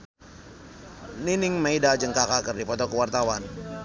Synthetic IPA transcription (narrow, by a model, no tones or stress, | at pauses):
ninɪŋmaidad͡ʒəŋkakakərdipɔt̪ɔkəwart̪awan